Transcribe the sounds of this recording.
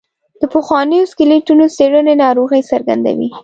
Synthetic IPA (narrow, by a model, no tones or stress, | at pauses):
d̪̥əpəxwɑnəjoskɪleʈunoseɽənenɑɾoɣəjsaɾɡa̰nd̪a̰wḭ